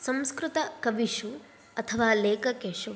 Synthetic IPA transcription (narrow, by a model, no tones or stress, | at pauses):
sɐmskɾut̪ɐkɐʋiʂu | ɐt̪ʰɐʋaːleːkɐkeːʂu